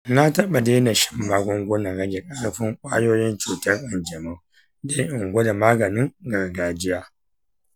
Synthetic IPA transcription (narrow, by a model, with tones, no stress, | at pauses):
na˦tɐ˦ɓa˨deː˦na˨ʃɪ̥˦mbaː˨ɡʷɔ˦ŋɡʷʊ˦na˨ɾɐ˦ɡʲe˨kʼɐ˦ɽɸɪ˦ŋkʷʼa̰ː˦joː˦jɪ˦nt͡ʃuː˨tɐ˦rʔɐ˨nd͡ʒɐ˨ma˦˨ | da˦ʔɪ˨ŋɡʷo˦da˨maː˦ɡɐ˨nɪ˦ŋɡɐ˨rɡaː˦d͡ʒɪ˦jaː˨